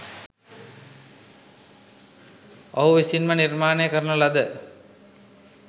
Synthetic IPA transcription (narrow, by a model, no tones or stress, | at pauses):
owʋisinmɐniɾmaːnejkɐɾnɐlɐd̪ə